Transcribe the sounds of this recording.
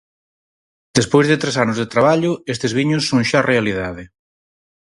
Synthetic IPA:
d̪̥espojzðet̪ɾesanʊzðet̪ɾaβ̞aʎʊest̪ezβ̞iɲʊsːoŋʃarealið̞aðɪ

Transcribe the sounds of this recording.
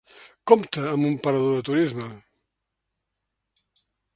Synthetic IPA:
kɔmt̪əːmumpəɾəðoðət̪uɾizmə

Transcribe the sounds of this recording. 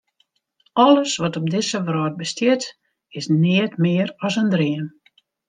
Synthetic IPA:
ʔɔləsʋɔtɔb̚dɪsəʋrɔːt̚bəstjɪt | ɪsnɪətmɪːəɾɔsəndriən

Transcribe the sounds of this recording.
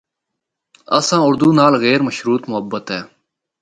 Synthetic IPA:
ə̰sãːʊɾd̪uːnaːlɣɛːɾməʃɾuːt̪mʊɦəbːət̪ɦɛː

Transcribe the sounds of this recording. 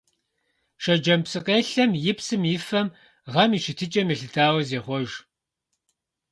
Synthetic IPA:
ʃɐd͡ʒɐmpsɨqʼeːɬɐmjɪpsɨmjɪfɐm | ʁɐmiːʃɪtʰɨt͡ʃʼɐmiɬɨtʰaːwɐzeːχʷɔʒ

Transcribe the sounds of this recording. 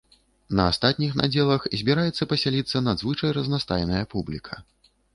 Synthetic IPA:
nɐast̪at̪̚ʲnʲixnʔa̰d͡zʲɛlˠɐxzʲbʲiɾajɛt̪sːɐpɐsʲalʲit̪sːɐnad̪zvɨt͡ʂɐjrɐznast̪a̰jnɐjɐpublʲikʰɐ

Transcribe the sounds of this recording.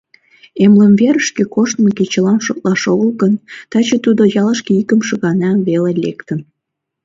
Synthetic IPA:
emləmβeɾəʃkekoʃt̪məket͡ɕəlɑmʃok̚lɑʃoɣəlɣənt̪ɑt͡ɕət̪ud̪ojɑləʃkeikəmʃə̆ɣɑnɑmβelelʲḛkt̪ən

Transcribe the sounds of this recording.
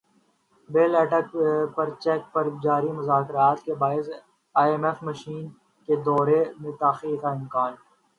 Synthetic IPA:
beːlɛːʈəkpɐɾt͡ʃɛːk̚pɐɾd͡ʒaːɾimʊzaːkɾaːt̪kebaːɪs | aːemɛfməʃiːn | ked̪ɔːɾemẽt̪aːxiːaɪmkaːnɛ

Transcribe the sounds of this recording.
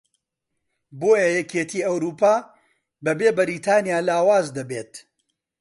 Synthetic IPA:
boːjɐjɛkʰeːt̪ʰiːɐwɾuːpaː | bɐbeːbɐɾit̪ʰaːnijaːlaːwaːzd̪ɐbeːt̪

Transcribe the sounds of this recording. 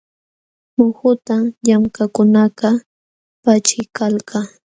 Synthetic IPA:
mʊxʊt̪aʎamkakʊnaqɑ | pat͡ʃɪkalkɑ

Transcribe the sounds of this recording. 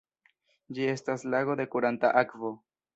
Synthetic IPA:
d͡ʒie̞staslaɣo̞d̪e̞kuɾantaʔakvo̞

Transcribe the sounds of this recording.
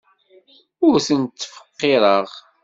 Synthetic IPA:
ʊɾθənt̪ːfə̥qːɪɾˤəʁ

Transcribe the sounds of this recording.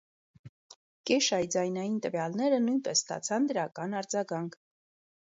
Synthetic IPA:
kɛʃɑjd͡zɑjnɑjint̪əvjɑlnɛɾənujnpɛsːt̪ɑ̰t͡sʰɑnd̪əɾɑkɑnɑɾd͡zɑɡɑŋkʰ

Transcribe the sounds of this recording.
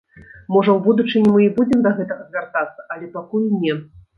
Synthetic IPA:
mɔʐɐwbud̪ut͡ʂɨnʲɛmɨibud͡zʲɛmd̪ɐɣɛt̪ɐɣɐzʲvʲart̪at̪sːɐɐlʲɛpakulnʲɛ

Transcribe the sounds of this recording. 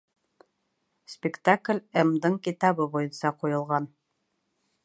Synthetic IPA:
spʲɪkt̪aklʲɛmd̪ɤɴkit̪ɑβɤbujɤnsɑqujɤ̆lˠʁɑn

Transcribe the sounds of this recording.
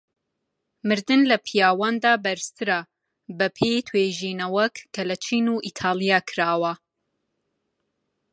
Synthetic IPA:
mɨɾd̪ɨnlɐpʰijaːwaːnd̪aːbɐɾɨst̪ʰɨɾa | bɐpʰejt̪ʰwejʒiːnɐwɐkːɐlɐt͡ʃʰiːnuːʔit̪ʰaːlˠijaːkʰɾaːwɐ

